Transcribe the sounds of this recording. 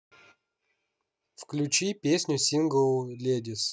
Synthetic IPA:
fklʲut͡ɕipʲesʲnʲʊsʲinɡəlˠlʲedʲɪs

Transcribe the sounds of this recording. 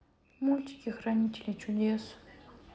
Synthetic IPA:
mulʲtʲɪ̥kʲɪxrɐnʲitʲɪlʲijt͡ɕʊdʲes

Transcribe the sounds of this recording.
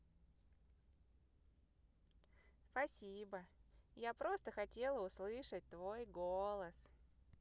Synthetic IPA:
spɐsʲibəjapɾo̞st̪əxɐtʲe̞lˠəʊslˠɨʂət̚ʲt̪vo̞jɡolˠəs

